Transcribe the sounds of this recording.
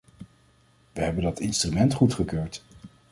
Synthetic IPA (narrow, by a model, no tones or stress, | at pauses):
ʋəɦɛbəndɑtɪnstrymɛntχutχəkøːɹt